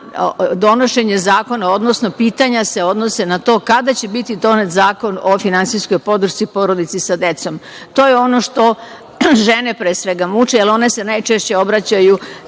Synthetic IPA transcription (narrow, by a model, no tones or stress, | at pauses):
d̪o̞no̞ʃe̞ɲe̞zaːko̞nao̞d̪no̞sno̞piːt̪aɲase̞o̞d̪nose̞nat̪o̞ːkad̪at͡ɕe̞bit̪id̪o̞net̪zaːko̞no̞finansisko̞jpo̞d̪ɾ̩ʃt̪sipo̞ɾo̞d̪it̪sisad̪e̞t̪so̞m | t̪oːjeo̞no̞ʂt̪o̞ | ʒe̞ne̞pɾeːsʋe̞ɡamut͡ʃealo̞nese̞najt͡ʃe̞ʃt͡ɕe̞o̞bɾat͡ɕaju